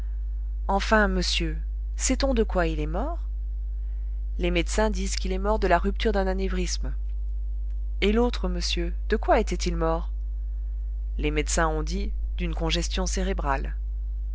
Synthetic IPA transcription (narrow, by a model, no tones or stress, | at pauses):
ɑ̃fɛ̃məsjø | sɛt̪ɔ̃d̪əkwailɛmɔʁ | lemed̪sɛ̃d̪izkilɛmɔʁd̪əlaʁyp̚t̪yʁd̪ɛ̃nanɛvʁism | elot̪χəməsjø | d̪̥əkwaet̪ɛt̪ilmɔʁ | lemed̪sɛ̃ɔ̃d̪i | d̪ynkɔ̃ʒɛst̪jɔ̃seʁebʁal